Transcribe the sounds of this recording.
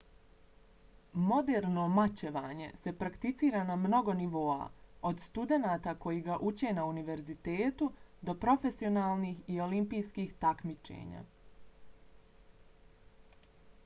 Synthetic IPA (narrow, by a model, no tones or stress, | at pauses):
mo̞d̪eːɾno̞mat͡ɕeʋaːɲe̞̰se̞pɾakt̪it̪siːɾanamno̞ɡo̞niʋo̞ːa̰o̞d̪st̪ud̪e̞naːt̪ako̞jiɡaʔut͡ɕe̞nauniʋe̞ɾzit̪e̞ːt̪ud̪o̞pɾo̞fe̞sio̞naːlˠniːxio̞limpijskiːxt̪akmit͡ʃḛːɲa̰